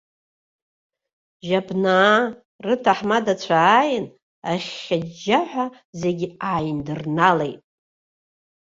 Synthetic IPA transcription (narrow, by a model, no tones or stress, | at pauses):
ʒabnaː | rɨtʰaħmadat͡ɕʷʰaːjɪn | aχʲad͡ʒaħʷa | ze̞ɡʲiaːjndɨrnalejtʼ